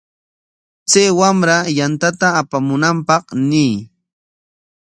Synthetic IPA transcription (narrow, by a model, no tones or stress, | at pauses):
t͡sajwamɾajant̪at̪aːpamʊnampɑqnɪj